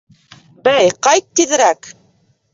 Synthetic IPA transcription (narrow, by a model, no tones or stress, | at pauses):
bæjqɑjt̪ːiðɘ̆ɾæk